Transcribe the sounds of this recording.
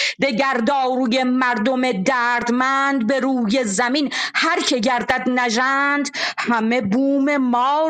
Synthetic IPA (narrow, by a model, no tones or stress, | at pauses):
d̪eɟæɾd̪ɒːɾuːje̞mæɾd̪omed̪æːɾd̪mænd̪̚beɾuːjezæminhæɾcʰe̞ɟæɾd̪æd̪næʒænd̪hæme̞buːme̞mɒː